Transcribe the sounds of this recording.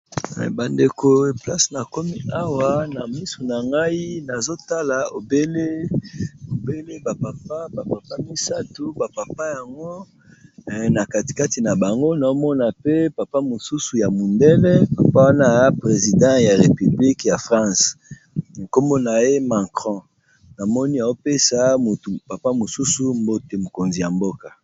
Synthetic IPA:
ba˨nde˨ko˨e˨pla˦sna˨ko˦mi˦a˦wa˨na˨mi˦su˨na˨ŋɡa˦i˦na˨zo˦ta˦la˨o˨be˦le˦ | o˨be˦le˦ba˨pa˨pa˦pa˨pa˨pa˦mi˦sa˦tu˨ba˨pa˨pa˦ja˨ŋɡo˦˨ | na˨ka˦ti̥˨ka˦ti˨na˨ba˨ŋɡo˦na˨o˦mɔ˦na˨pe˦pa˨pa˦mo˨su˦su˨ja˨mu˨ndɛ˦le˦pa˨pa˦wa˦na˦pʁe˨zi˨dɑ̃˦ja˨ʁe˨py˨bli˦kja˨fʁɑ̃˦˨s | ko˦mɔ˦na˨e˦ma˨kʁɔ̃˦ | na˨mɔ˦ni˦a˨wo˦pe˦sa˦mu˨tu˨pa˨pa˦mo˨su˦su˨mbo˦te˨mo˨ko˨nzi˨ja˨mbo˦ka˨

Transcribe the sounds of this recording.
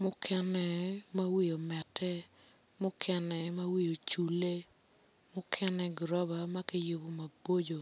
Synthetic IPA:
mʊ˦kʰɛ˦nɛ˨ma˦wi˦o˨mɛ˨tʰɛ˦ | mʊ˦kʰɛ˦nɛ˨ma˦wi˦jo˨t͡ʃu˨le˦ | mʊ˦kʰɛ˦nɛ˦ɡɾɔ˦ba˨ma˦ki˦jo˦bo˦ma˨bo˦d͡ʒo˨

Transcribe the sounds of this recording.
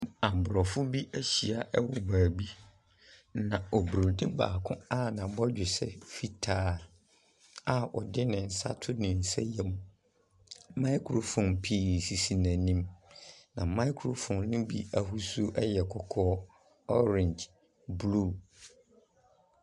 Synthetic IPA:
ã˨m˨bʊ˨ɾɔ˨fʊ˦bi˦ʔæ˦ɕi˨a˨ʔɛ˦wɔ˨baː˨bi˦ | nã˨ɔ˨bɾo˨dĩ˦ba̰ː˨kʰʊ̃˦a˦˨nã˨bɔ˦d͡ʑᶣɪ˨sɛ̰˦˨fi˦tʰaː˦˨ | a˦ʔɔ˨dɪ˦nɪ̃˨n̩˨sa̰˦tʰʊ˦nɪ̃˨n̩˨sɛ̰˦jɛ˦mũ˦ | mã˦ɪ˦kʰɾo˨fɔ̃˨npʰi˦si˨si˨nã˨nĩ˦mnã˨mã˦ɪ˦kʰɾo˨fɔ̃˨nnʊ̃˦bḭ˦a˨hu˦su˦ʔɛ˦jɛ˨kʰɔ˨kʰɔː˦ | ɔ˦ɾɪ̃˨nd͡ʒ | blu˦˨

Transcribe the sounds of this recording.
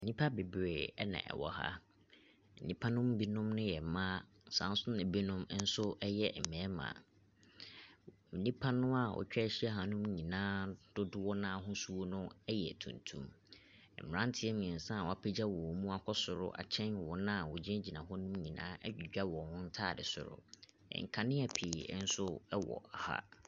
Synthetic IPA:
m̩˨nĩ˦pʰa˦be˨bɾe˨ɛ˦nã̰˨ʔɛ̰˨wɔ̰˨ha̰˦ | m̩˨nĩ˦pʰã˦nʊ̃˦m˦bi˦nʊ̃˦mnʊ̃˦jɛ˨mãː˦ | n̩˨sã̰˨˦n˦sʊ˦nã˨bi˦nʊ̃˦m˦n̩˦sʊ˦ɛ˦jɛ˦˨m̩˨mɛ̃ː˨˦mã̰ː˨ | m̩˨nĩ˦pʰã˦nʊ̃˦a˨wʔɔ̰˨t͡ɕᶣɛ˦ɕi˦ɛ˦ɦã˨nʊ̃˦mɲĩ˨nãː˦d̥ʊ˦dʊ˦wɔ˦nã˦ɦʊ̃˦su˦o˦nʊ̃˦ɛ˦jɛ̰˨tʰṵ̃˨ntʰṵ̃˦m | ɛ̰˨mɪ˨ã˦n˦tʰɪ˨˦ɛ˦m˨ĩ˨n̩˨sã˦˨wɔ˨a˨pʰe˦d͡ʑa˦wɔ˨mũ˦a˦˨kʰɔ˦sʊ˨ɾʊ̰˦ʔa̰˨t͡ɕʰɛ̃˦n˨wɔ˨nã˦˨wɔ˨d͡ʑɛ̃˦d͡ʑi˨nã˨ɦɔ˦nʊ̃˦mɲĩ˨nã̰ː˦ɛ˦i˨d͡ʑᶣa˦wɔ̃˨hʊ̃˦n̩˦tʰaː˦˨dɪ˨sʊ̰˨ɾʊ̰˨ | ɛ̰˨ŋ̩˨kʰã˨nɪ̃˦ɛ˨pʰi˨˦n̩˦sʊ˦ɛ˦wɔ̰˨a˨ha̰˦

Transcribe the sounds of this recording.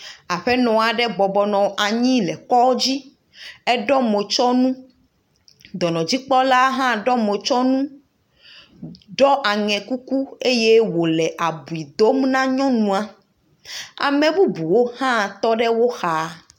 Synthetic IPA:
a˨ɸɛ˦nɔ̃˨a˨ɖɛ˦bɔ˨bɔ˨nɔ̃˨a˨ɲĩ˦lɛ˨kɔ˦d͡ʑi˦ | ɛ˦ɖɔ˦me˨t͡ʃɔ˦nũ˦ | d̪ɔ˨nɔ̃˨d͡ʑi˦k͡pɔ˦la˦ɦã˦ɖɔ˦me˨t͡ʃɔ˦nũ˦ | ɖɔ˦ʔa˨ŋɛ̃˨ku˦ku˦e˦je˦wo˨lɛ˨ʔa˨bu˨i˨d̪o˦mnã˦ɲɔ̃˦nũ˨a˨ | a̰˨mɛ̃˨bu˦bu˨wo˦hã˦t̪ɔ˦ɖɛ˦wo˦xa˨˦

